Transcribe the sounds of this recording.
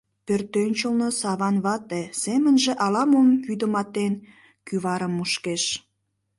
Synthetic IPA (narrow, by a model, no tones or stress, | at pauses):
pørt̪ːønʲt͡ɕəlnosɑβɑnβɑt̪esemənʒĕʔɑlɑmonjyd̪ə̆mɑt̪en | kyβɑɾəmːuʃkeʃ